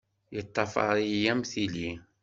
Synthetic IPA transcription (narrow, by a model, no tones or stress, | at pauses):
jət̪ˤːɑfɑ̰ɾˤijæmθili